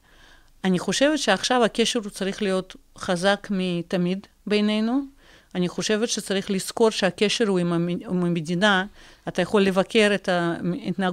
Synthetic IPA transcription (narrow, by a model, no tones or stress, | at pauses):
aniχo̞ʃe̞vet̪ʃeaχʃavakeʃeɾut͡saɾiχlijo̞t̪χazakmit̪amid̪ | be̞jnejnu | aniχo̞ʃe̞vet̪ʃett͡saɾiχlisko̞ɾʃeakʲe̞ʃeɾhuimamamedinaː | t̪ajaχo̞lːevakʲʰe̞ɾet̪ait̪na